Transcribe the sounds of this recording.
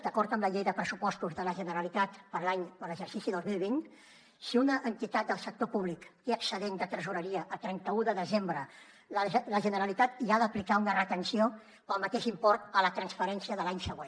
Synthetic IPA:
d̪əkɔɾt̪əmləʎejðəpɾəsupɔst̪uzðələʒənəɾəlit̪at̪pəɾlaɲələʒəɾsisiðozmilˠβ̞in | siunəʔːnt̪it̪at̪̚d̪əlˠsək̚t̪opuβ̞likeəksəðend̪ət̪əɾzuɾəɾiəʔəlˠt̪ɾɛnt̪əuðəðəzembɾə | lləʒənəɾəlit̪at̪iaðəplikaunərət̪ənsio | pəlˠmət̪eʃimpɔɾt̪ələt̪ɾənsfəɾɛnsiəðəlaɲsəɣwen

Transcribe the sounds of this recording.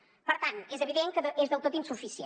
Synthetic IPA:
pəɾt̪anezəβiðeŋkəðəʔezðəlˠt̪ot̪insufisje

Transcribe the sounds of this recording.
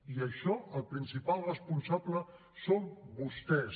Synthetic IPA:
iəʃɔəlˠpɾinsipalˠrəspunsablə | sombust̪ɛs

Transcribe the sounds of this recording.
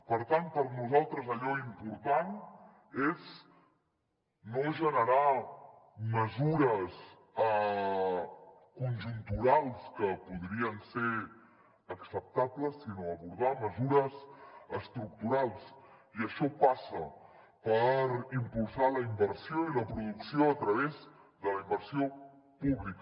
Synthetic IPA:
pəɾt̪anpəɾnuzalˠt̪ɾəzəʎɔimpuɾt̪an | ez | noʒənəɾa | məzuɾəs | ə | kunʒunt̪uɾalˠskəpuðɾiənseɾ | əksəp̚t̪abləsːinoəβuɾð̞aməzuɾəsəst̪ɾuk̚t̪uɾalˠsiəʃɔpasə | pəɾimpulˠsaləimbəɾsioiləpɾuðuksioət̪ɾəβ̞ez | ðələimbəɾsio | puβlikə

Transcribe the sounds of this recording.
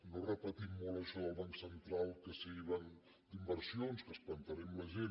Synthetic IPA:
norəpət̪imːoləʃɔəlˠβaŋksənt̪ɾalˠkəsiβən | d̪imbəɾsionskəsplənt̪əɾɛmləʒen

